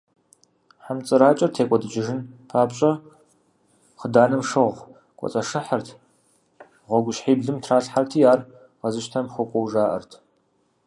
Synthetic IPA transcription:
ħamt͡sʼɨɾaːt͡ʃʼɐrtʰeːkʷʼɔdɨd͡ʒɪʒɨnpʰaːpɕʼɐ | χədaːnɨmʂɨʁʷ | kʷʼɔ̰t͡sʼɐʂɨħartʰ | ʁʷɔɡʷʊʃħiːbɮɨmtʰraːɬħartʰiːjaːr | ʁɐzɨʃtʰɐmxʷʊkʷʼɔwʒaːʔɐ̰rtʰ

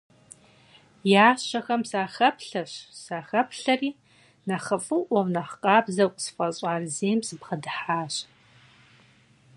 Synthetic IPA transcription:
jaːʃɐxɐmsaːxɐpʰɬɐɕsaːxɐpʰɬɐriː | naχəfʼɨʔʷɐwnaħqʼaːbzɐkʷʼsfʼɐɕʼaːrzeːmsɨbχɐdħaːɕ

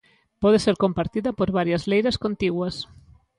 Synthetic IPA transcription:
pɔð̞eseɾkompaɾt̪iðɐpoɾβaɾjɐzlejɾɐskont̪iɣwɐs

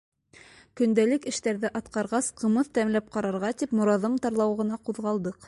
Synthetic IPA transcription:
kɵ̆nd̪ælɘkɘ̆ʃt̪æɾðɘʔɑt̪qɑɾʁɑsqɤ̆mɤθt̪æmlæp̚qɑɾɑɾʁɑt̪ipmŏɾɑðɤmt̪ɑɾlˠɑwʁɤ̆nɑquðʁɑlˠd̪ɤq

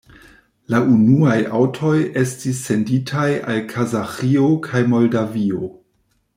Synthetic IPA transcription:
laʔunuajʔawtʰo̞je̞stis̬ːe̞nditʰaja̰lkʰazaxiokʰajmo̞ldavio

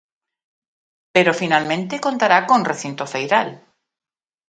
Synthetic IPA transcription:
peɾofinalmẽnt̪ekont̪aɾakõnreθint̪oθejɾal

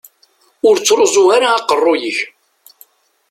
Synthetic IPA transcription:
ʊɾt͡sːɾozˤʊhaɾaːqərˤːʊjəç

